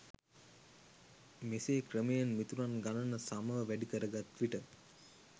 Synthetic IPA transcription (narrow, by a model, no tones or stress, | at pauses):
meseːkrəmejənmit̪unanɡanənəsaməʋəʋæɖikəɾəɡat̪ːʋiʈə